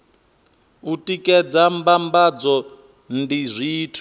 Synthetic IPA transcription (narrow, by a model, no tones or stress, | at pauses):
utʼikʼɛd͡zambambad͡zɔ | ndizʷiːtʰi